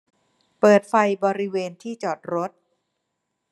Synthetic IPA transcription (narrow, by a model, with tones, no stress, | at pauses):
pɤː˨˩t̪̚fa˧jbɔː˧ɾi˦˥weː˧nt̪ʰiː˥˩t͡ɕɔː˨˩t̪̚ɾo˦˥t̪̚